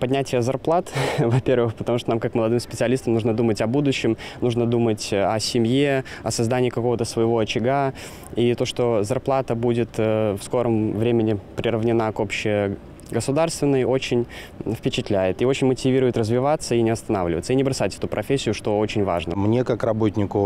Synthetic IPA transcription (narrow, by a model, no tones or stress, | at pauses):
pɐdʲnʲætʲɪjəzɐrplˠat̪vɐpʲe̞rvɨxpə̥t̪ɐmuʂt̪onamkakməlˠɐd̪ɨmspʲɪt̪sɨɐlʲist̪əmnuʐnəd̪umətʲɐbud̪ʊɕːɪmnuʐnəd̪umətʲɐsʲɪmʲjeɐsɐzd̪anʲɪːkɐko̞vət̪əsvəjɪvo̞ɐt͡ɕɪɡa | it̪o̞ʂt̪o̞zɐrplˠat̪əbudʲɪt̪əfsko̞ɾəmvɾʲemʲɪnʲɪpɾʲɪɾəvnʲɪnakopɕɪ | ɡəsʊd̪arst̪vʲɪnːəjo̞t͡ɕɪnʲ | fpʲɪt͡ɕɪt̪lʲæjɪt̪io̞t͡ɕɪnʲmətʲɪvʲiɾʊjɪt̪rəzvʲɪvat̪səinʲɪɐst̪ɐnavlʲɪvət̪səinʲɪbɾɐsatʲɛ̥t̪ʊpɾʔɐfʲesʲːɪjʊʂt̪o̞o̞t͡ɕɪnʲva̰ʐnə̰mnʲekakrɐbo̞tʲnʲɪkʊ